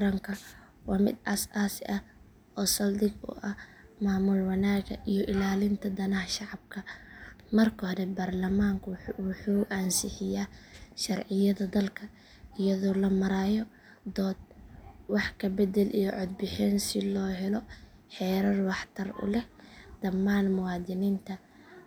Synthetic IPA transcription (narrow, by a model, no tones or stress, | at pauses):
ɾɐŋkʰɐ | wɑːmɪ̰d̪ɐ̰saːsɪʔɐ | ʔɔːsɐld̪ɪɡʊ̰ʔɐmaːmʊlwɑnaːɡɐ̰ʔijɔʔɪlaːlɪnt̪ʰɐd̪ɐnɐhɐʃɑʕɑb̚kʰɐmɐrkʰɔhɔɾɛbaːrlɐmaːŋkʰwʊħuːʔaːnsɪħɪjaːʃɐrʕɪjɐðɐd̪ɐlkʰɐ | ɪjɐðɔːlɐmɐɾaːjɔ | d̪ɔːd̪̚wɑħkʰɐbɛd̪ɛlʔijɔʕɔd̪̚bɪħɛnsɪlɔːɦɛlɔ | ħɛːɾɐrwɑħt̪ʰɐrʊ̰lɛhd̪̥ɐmːaːnmʊwɑːd̪ɪniːnt̪ʰɐ